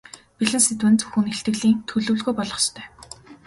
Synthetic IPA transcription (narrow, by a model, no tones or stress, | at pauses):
piɮɘ̆nset̪wɘ̆nt͡sɵ̥xŭneɬt̪ɡɘ̆ɮiːŋt̪ʰɵɮɵ̆ːɮɣujpɔɮʁɞ̆st̪ʰœ̥ː